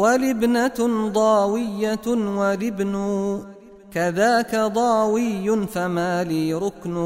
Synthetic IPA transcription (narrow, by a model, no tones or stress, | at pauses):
walɪbnad̪ˤɑːwɪjːawalɪbnʊ | kaðaːkad̪ˤɑːwɪjːʊnfamaːliːɾʊknʊ